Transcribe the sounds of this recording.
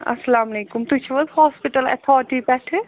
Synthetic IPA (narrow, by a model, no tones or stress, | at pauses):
ɐ̰sɐlaːmɐleːkumt̪ut͡ʃʰɐʋɐlhɔːspiʈɐlɛ̰t̪ʰɔːʈibɛːʈʰɨ